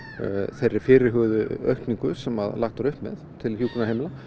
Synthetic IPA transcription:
θerːɪɾfɪːɾɪɾɦʏɣðʏœ̰ɥht̪niŋkʏ̥sɛmaðlaxt̪aɾʏhpmɛ̰ðt̪ʰɪlhjuːkunaɦejmɪla

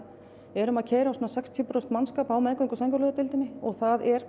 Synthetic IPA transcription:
ɛɾʏmaðcʰeːjɾasuːnasɛkst̪ʰjʏpɾɔst̪manskaːpawmɛðŋkʏɪŋkʏɾsaŋkʏɾlʏːðat̪ɪlt̪ɪnːɪɔɣθaðɛɾ

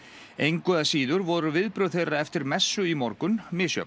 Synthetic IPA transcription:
ejŋkœðasiːðʏɾvɔɾʏvɪðpɾʏθeɾaɛft̪ɪɾmɛsːʏimɔɾkʏnmɪːsjœ̰k̪

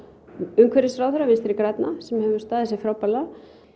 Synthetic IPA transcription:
ʏŋkʰvɛɾɪsɾaːwθʏɾavɪnst̪ɪɾɪkɾat̪nasɛmhɛvʏ̥st̪aːðɪsɛfɾawpːala

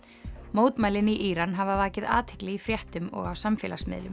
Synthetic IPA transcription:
moːwt̪maːjlɪniʔiːɾanɦavavaːcɪða̰ːt̪hɪ̥klɪifɾjɛht̪ʏmɔ̰ɣawsamfɛ̰ːla̰smɪ̰ðlʏm

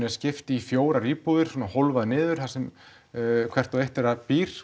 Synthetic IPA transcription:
nɪscɪft̪ɪifjoːwɾaɾiːpuðɪɾ̥sɔːnaholvaðnɪːðʏɾ̥θasɛm | kʰvɛr̥t̪ɔejht̪ɛɾapiːɾ̥

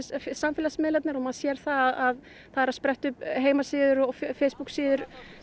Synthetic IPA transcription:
sfsamfɪlasmɪðlɛt̪naɾɔmaðsjɛɾ̥θaðaðað | θaðɛɾaðspɾɛht̪ʏpɦeːjmasɪːðʏɾɔɣffeːjspuksiːðʏɾ̥

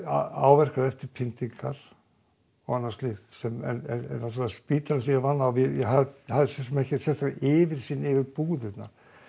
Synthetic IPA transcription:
aa̰ːwvɛr̥kaɾɛft̪ɪɾpʰɪnt̪iŋkʰaɾ̥ | ɔɣanːaɾst̪lɪxt̪sɛmɛ̰nɛ̰nɛ̰nnat̪ʰʏɾlaaspiːt̪aɾasijavanːawvɪjɛɦahaðɪsɛsmɛhcɪsɛst̪aɪːvɪɾ̥siːnːɪvɪɾpuːðɪt̪na̰ɾ̥

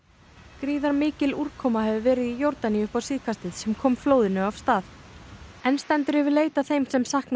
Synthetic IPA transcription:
kɾiːðaɾmɪːcɪluɾ̥kʰɔːmahɛvʏvɛːɾɪðijowɾt̪aniʏhpawsiːðkʰast̪ɪðsɛmkʰɔːmfloːwðɪnʏav̥st̪aːθ | ɛnst̪ɛnt̪ʏɾ̥ɛvɪleːjt̪aθejmsɛmsahkn

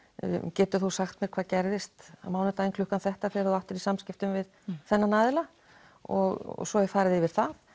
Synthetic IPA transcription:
cɛːt̪ʏ̥θusaxt̪mjɛɾ̥kʰvaːðcɛɾðɪst̪amaːwnɪɾt̪aːjnkʰlʏhkanθɛht̪aθɛaɾθuaht̪ʏɾisamscɪft̪ʏmvɪð | θɛnːanaːðɪla | ɔ̰ɣɔ̰sɔɛfaːɾɪðɪvɪɾ̥θað

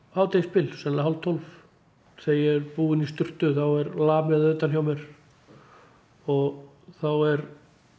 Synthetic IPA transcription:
aːwt̪ejspɪlsɛmlaɦawlt̪ʰːɔlf | θejɪɾpuːɪnist̪ʏr̥t̪ʏθawɛɾlaːmɛðaʏːt̪ançjawmɛɾ̥ | ɔɣ | θawɛɾ

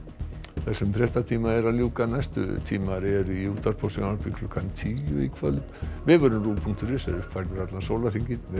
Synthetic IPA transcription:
θɛsːʏmt̪ɾɛht̪at̪ʰiːmaɛɾaljuːkanajst̪ʏ̰t̪ʰiːmaɾɛɾʏiuːt̪aɾpʰosiŋnaɾpikʰlɔkʰːant̪ʰiːjʏ̰ikʰvœlt̪vɪːvʏɾʏmruːpʰuŋkt̪ʏɾɪsɛ̰fajɾðʏɾat̪lansoːwlar̥iɲcɪvɪ

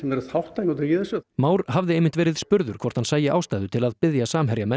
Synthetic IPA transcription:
ɛnɛɾθawht̪aːjnɔwt̪ɾjɛðɛsʏmaːwɾɦavðɪejmɪnt̪vɛːɾɪðspʏɾðʏɾkʰvɔr̥t̪hansaːjɪʔaːwst̪aːjðʏt̪ʰɪlaðpɪðjasaːmɦɛɾjamɛ

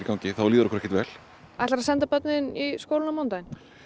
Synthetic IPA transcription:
ikaw̃ŋcɪθawliːðʏɾɔkʏɾɛhcːɪt̪vɛːl | aɛt̪laɾasɛnt̪apœt̪̚nɪniskowlɪnamawnt̪ajn

